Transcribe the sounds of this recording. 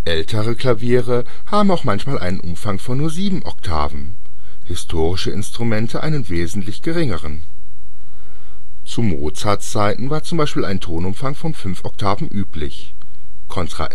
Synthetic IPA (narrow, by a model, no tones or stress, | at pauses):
ʔɛltʰəʁəkl̥aviːʁə | haːbm̩aʊxmançmaːlʔa̰ɪnənʔʊmfaŋfɔnːuːɐziːbm̩ʔɔ̰ktʰa̰ːvn̩ | hɪstʰoːʁɪʃəɪ̰nstʁ̥umɛntʰəʔa̰ɪnənveːzn̩tlɪçɡ̥əʁɪŋəʁ̞ən | t͡sumoːt͡saːɐtt͡saɪtn̩vaːɐt͡sʊmbaɪʃpiːla̰ɪntʰoːnʊmfaŋfɔnfʏnfʔɔk̚tʰaːvn̩ʔyːplɪç | kʰɔntʁ̥a̰ʔ